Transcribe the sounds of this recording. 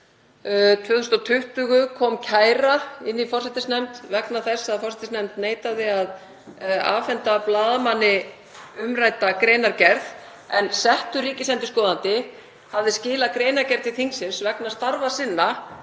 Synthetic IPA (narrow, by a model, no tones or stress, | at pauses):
t̪ʰvœːθust̪ɔt̪ʰʏht̪ʏɣʏkʰɔmcʰaːjɾaɪnːifɔr̥sɛt̪ɪsnɛmt̪vɛknaθɛsːaðfɔrsɛt̪ɪsnɛmt̪neːjt̪aðɪað | a̰ːfɛnt̪aplaːðamanːɪ | ʏmrajt̪akɾejnaɾcɛɾð | ɛnsɛht̪ʏɾiːcɪsɛnt̪ʏskɔːðant̪ɪ | havðɪscɪːlakɾeːjnaɾcɛɾðiθiŋsɪnsvɛknast̪aɾvasɪnːa